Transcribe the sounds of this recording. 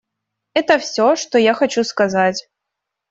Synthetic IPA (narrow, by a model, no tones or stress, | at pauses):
ɛt̪əfsʲoʂt̪ojaxɐt͡ɕuskɐzatʲ